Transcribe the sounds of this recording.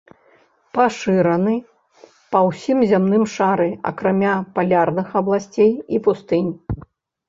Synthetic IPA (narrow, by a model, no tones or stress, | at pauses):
paʂɨɾɐnɨ | pɐwsʲimzʲamnɨmʂaɾɨɐ̰kɾamʲapalʲarnɨxɐblˠasʲt͡sʲejipust̪ɨnʲ